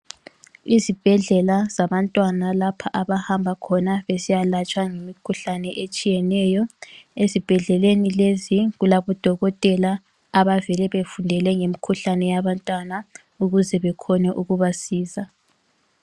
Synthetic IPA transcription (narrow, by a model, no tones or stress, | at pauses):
izib̥ʱɛɮɛlaz̥aβantʼwanalapʰaʔaβahambʱakʰɔnaβesijalat͡ʃʼwaŋemikʰuɬanɛʔet͡ʃʼijɛnɛjɔezib̥ʱɛɮɛlenileziɣulaβɔd̥ʱɔɣɔtʼɛlaː | βavɛlɛβefundʱɛlɛŋemikʰuɬanɛjaβantʼwana | uɣuzɛβɛkʰɔnɛʔuɣuβasiːza